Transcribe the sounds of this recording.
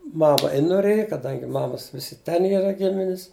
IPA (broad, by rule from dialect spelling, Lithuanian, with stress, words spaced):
ˈmɑːmɐ ɪ noːˈrʲeːjɛ kɐˈdɐŋʲɡʲɪ ˈmɑːmɐs ˈʋʲɪsʲɪ ˈtʲɛn ˈiːrɐ ˈɡʲɪmʲɪnʲɪs